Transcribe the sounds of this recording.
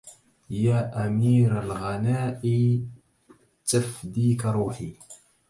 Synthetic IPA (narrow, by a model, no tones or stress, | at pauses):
jæʔæmiːɾalɣɑnaːʔi | t͡s̪ːəfd̪ikɾˤuːħi